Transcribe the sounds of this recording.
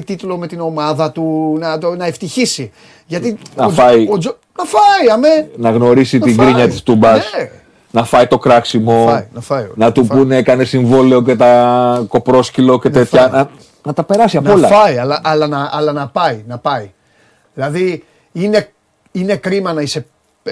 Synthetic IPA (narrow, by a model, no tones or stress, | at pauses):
t̪it̪lo̞me̞t̪ino̞mɐðɐt̪unɐt̪onɐe̞ft̪içisi | ʝɐt̪inɐfɐiod͡ʒo | nɐfɐiɐmenɐɣno̞ɾisit̪iŋɡɾiɲɐt̪ist̪umbɐss | nɐfɐit̪o̞kɾɐksimo̞nɐfɐjo̰nɐt̪upunekɐne̞siɱvo̞le̞o̞c̬e̞t̪ɐko̞pɾo̞scilo̞ce̞t̪e̞t̪çɐnɐ | nɐt̪ɐpe̞ɾɐsiɐnoɐlɐfɐiɐlɐʔɐlɐnɐɐlɐnɐpɐinɐpɐi | ðilɐði | ine̞ | ine̞kɾimɐnɐise̞